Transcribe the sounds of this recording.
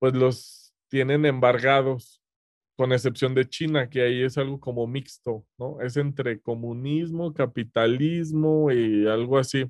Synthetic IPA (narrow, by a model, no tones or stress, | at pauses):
pwe̞zlos | t̪je̞ne̞ne̞mbaɾɣaðo̞s | ko̞ne̞s̬e̞psjo̞nd̪e̞t͡ʃinake̞aie̞salɣo̞ko̞mo̞mikst̪o̞no̞ʔe̞s̬e̞nt̪ɾe̞ko̞mũnizmo̞kapit̪alizmo̞ialɣoasi